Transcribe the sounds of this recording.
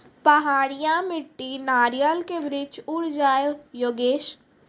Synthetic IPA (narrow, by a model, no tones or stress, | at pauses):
pəɦaːɽɪjãmɪʈːinaːɾijəlkeʋɾɪd͡ʒʊɽd͡ʒaːjoːɡeːʃ